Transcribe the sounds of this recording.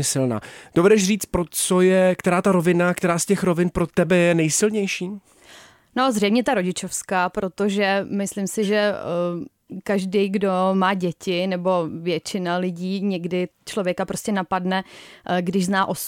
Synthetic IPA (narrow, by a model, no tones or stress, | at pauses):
ɛsɪlna̰ːd̥o̞vɛdɛʃriːt͡st̪pɾo̞t͡sojɛkt̪ɛɾaːt̪aɾovɪnakt̪ɛɾaːscɛxɾo̞vɪnpɾo̞t̪ɛbɛjɛnɛjsɪlɲɛjʃiː | nozrɛjmɲɛt̪aɾo̞ɟɪt͡ʃo̞fskaːpɾo̞t̪oʒɛmɪslɪmsɪʒɛ | kaʒdijɡdo̞maːɟɛcɪnɛbo̞vjɛt͡ʃɪnalɪɟiːɲɛɡdɪt͡ʃlo̞vjɛkapɾo̞scɛnapadnɛɡdɪʒznaːʔo̞s